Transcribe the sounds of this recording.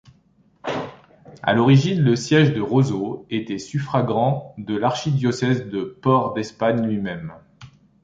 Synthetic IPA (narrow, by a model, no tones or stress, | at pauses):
a̰lɔʁiʒinləsjɛʒd̪əʁozoet̪ɛsyfχaɡʁɑ̃d̪əlaʁʃid̪jɔsɛzd̪əpɔʁd̪ɛspaɲlɥimɛm